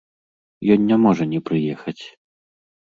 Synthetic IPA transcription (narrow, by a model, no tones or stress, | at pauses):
jɔnʲːamɔʐɐnʲɛpɾɨjɛxɐt͡sʲ